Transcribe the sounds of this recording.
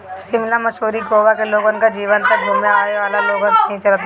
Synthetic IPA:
sɪmlamɐʃuːɾiɡoːʋakeloːɡonkad͡ʒiːʋənt̪ɐk̚bʱumjaaːeʋaːlaloːɡonsnɐɦĩt͡ʃɐlət̪ʰː

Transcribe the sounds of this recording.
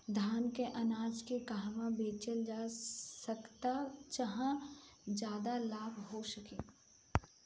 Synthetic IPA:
d̪ʱaːnkeʔɐnaːd͡ʒkekaɦʋãbeːt͡ʃəld͡ʒaːsəkt̪at͡ʃɐɦãd͡ʒjaːd̪alaːbʱɦoʃɐkeː

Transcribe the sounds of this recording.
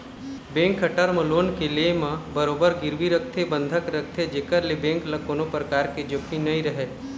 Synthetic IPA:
bẽːŋkːəʈəɾməloːnkelemãbəɾoːbəɾɡɪɾwiɾək̚ʰt̪ʰebə̃nd̪ʱəkɾək̚ʰt̪ʰed͡ʒeːkəɾlebẽːŋklɐkoːnopɾəkaːɾked͡ʒopʰinɐɦĩɾɐɦeː

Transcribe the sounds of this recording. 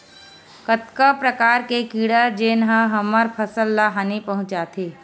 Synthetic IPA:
kət̪kapɾəkaːɾkekiːɽəd͡ʒeːnɦəɦɐməɾpʰəsəlːaːɦaːnipɐɦʊ̃t͡ʃaːt̪ʰeː

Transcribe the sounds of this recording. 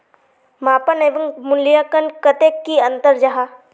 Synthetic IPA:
maːpɐneʋɐŋmʊnlijakənkɐt̪eːkːiɐ̃nt̪əɾd͡ʒɐɦa

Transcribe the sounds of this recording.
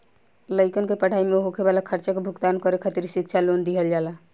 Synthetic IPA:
ləɪkənkepəɽ̤ʱaimeɦokʰebalakʰəɾt͡ʃakebʱuɡt̪ankəɾekʰət̪iɾsik̚t͡ʃʰalond̪iɦəld͡ʒala

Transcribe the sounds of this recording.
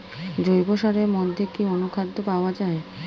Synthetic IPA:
d͡ʑojboʃaɾeɾmod̪ʱːekionokʰad̪ʱːopaoad͡ʑae

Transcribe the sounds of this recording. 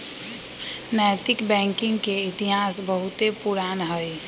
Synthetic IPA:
najt̪ɪkbɛ̃ːŋkɪ̃ŋɡkeɪt̪iɦaːsbəɦʊt̪epuɾaːnɦəi

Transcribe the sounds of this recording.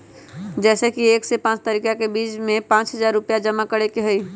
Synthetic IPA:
d͡ʒɛːsekieːksepãːt͡ʃt̪əɾiːkakebiːt͡ʃmẽpãːt͡ʃɦəzaːɾːʊpjad͡ʒəmakəɽekeɦʊi

